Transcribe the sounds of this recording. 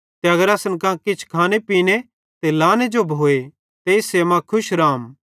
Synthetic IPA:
t̪eɐɡəɾɐsənkãkɪt͡ʃʰkʰaːnepiːne | t̪elaːned͡ʒobʱoːe | t̪eɪseːmãkʰʊʃɾaːm

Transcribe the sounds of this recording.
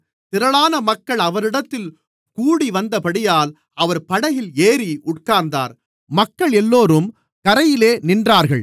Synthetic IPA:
t̪ɪɾɐɭaːnɐmɐkːɐɭɐʋɐɾɪɽɐt̪ːɪl | kuːɽiʋɐnd̪ɐpɐɽɪjaːl | ɐʋɐɾpɐɽɐjɪleːɾiʔʊʈ̚kaːɾnd̪a̰ːɾ | mɐkːɐɭɛlːoːɾɯm | kɐɾɐjɪleːnɪndraːɾɣɐɭ

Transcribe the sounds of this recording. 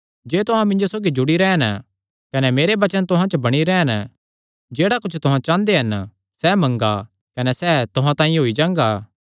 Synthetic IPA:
d͡ʒeːt̪ʊɦãmɪ̃ɲd͡ʒosoːɡid͡ʒʊɽiɾɛːn | kɐnɛmeːɾebɐt͡ʃənt̪ʊɦãt͡ʃəbɐɽ̃iɾɛːn | d͡ʒeːɽakʊt͡ʃʰt̪ʊɦãt͡ʃãːnd̪eɦɐn | sɛːmɐ̃ŋɡa | kɐnɛsɛːt̪ʊɦãt̪ãːĩɦoːid͡ʒãːŋɡaː

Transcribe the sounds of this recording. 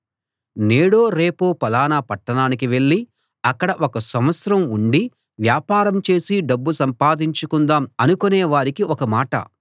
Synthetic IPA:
neːɽoːɾe̞ːpoːpɐlaːnaːpɐʈːɐnaːnik̬iʋe̞ɭːi | ɐkːɐɽɐʔɔkɐsɐmʋɐt̪sɐɾɐmuɳɖi | ʋjaːpaːɾɐmt͡ʃe̞ːsiɖɐbːusɐmpaːd̪iɲt͡ʃukund̪aːmɐnukunɛːʋaːɾikiɔkɐmaːʈɐ̰

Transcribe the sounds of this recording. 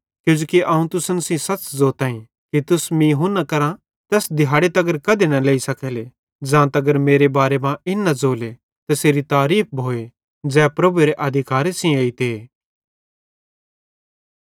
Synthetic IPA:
kjõːd͡ʒoːkiʔɐũt̪ʊsənsĩsɐt͡ʃzoːt̪aːĩ | kit̪ʊsmĩːɦʊnːakɐɾã | t̪ɛːsd̪ɪɦaːɽet̪ɐɡəɾkɐd̪enɐleːisɐkʰeːle | d͡ʒãːt̪ɐɡəɾmeːɾebaːɾemãʔɪnːɐd͡zoːle | t̪ɐseːɾit̪aːɾiːp̚ʰbʱoːe | d͡zɛːpɾɐbueɾeʔɐd̪ʱɪkaːɾesĩeːit̪eː

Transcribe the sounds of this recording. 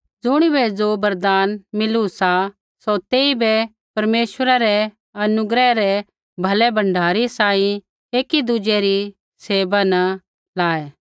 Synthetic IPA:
d͡zʊɽ̃ibɛd͡zobɐɾd̪aːnmɪlusa | sot̪eːibɛ | pɐɾmeːʃwəɾaɾɛ | ɐnʊɡɾɛɾɛ | bʱɐlɛbɐ̃ɳɖʱaːɾisãːĩ | eːkid̪ʊd͡ʒɛɾi | seːbanɐ | laːeː

